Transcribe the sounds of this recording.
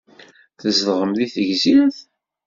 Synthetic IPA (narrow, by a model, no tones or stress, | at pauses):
θəzðʁəmðiθəʝziθ